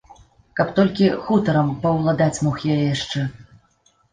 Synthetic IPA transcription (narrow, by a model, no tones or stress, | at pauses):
kɐpt̪ɔlʲkʲixut̪ɐɾɐmpɐwlˠad̪at͡sʲmɔxjajɛjaʂt͡ʂɛ